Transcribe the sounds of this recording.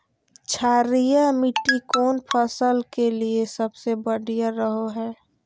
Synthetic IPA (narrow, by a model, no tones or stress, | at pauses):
t͡ʃʰaːɾijamiʈːikoːnpʰəsəlkeliesəbsebəɽijaɾəɦoɦɛː